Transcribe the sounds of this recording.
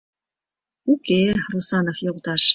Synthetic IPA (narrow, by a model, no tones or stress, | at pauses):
ukerusɑnofjoʁt̪ɑʃ